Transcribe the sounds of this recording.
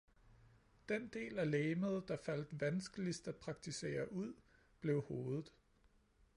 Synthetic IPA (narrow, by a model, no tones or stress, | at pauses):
d̥end̥e̝̰ːlæleːməð̞̩ˠd̥ɑ̈fæl̰d̥ʋænsɡ̥əlisd̥æd̥̚pʰʁɑ̈ɡ̥̚t͡sʰise̝̰ːɐʔuð̞̰ˠ | b̥le̝ʊho̝ːðˠð̩ˠ